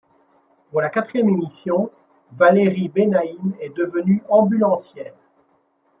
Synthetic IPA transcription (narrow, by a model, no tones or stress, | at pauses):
vulakat̪χijɛmemisjɔ̃ | valeʁibenaimɛd̪əvənyɑ̃bylɑ̃sjɛːn